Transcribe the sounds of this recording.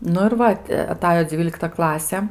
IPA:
ˈnʊ ɪr ˈʋɐ tʲɪ ɐˈtɑːjoː ˈd͡zʲʋʲiːlʲɪktɐ ˈklˠɑːsʲɛ

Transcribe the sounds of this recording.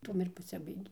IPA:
ˈtuɔm ɪr pɐˈsʲɪbɐɪɡʲeː

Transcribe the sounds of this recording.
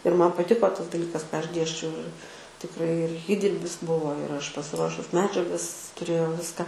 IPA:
ɪr ˈmɐn pɐˈtʲɪkoː ˈtɐs dɐˈlʲiːkɐs kɑː ˈɐʃ ˈdʲeːsʲt͡ʃʲɛʊ ɪr tʲɪkˈrɐɪ ɪr ˈiːdʲɪrʲbʲɪs ˈbʊʋoː ɪr ˈɐʃ pɐsʲɪˈruɔʃʊs ˈmʲæːd͡ʒʲɛɡɐs tʊˈrʲeːjɛʊ ˈʋʲɪskɑː

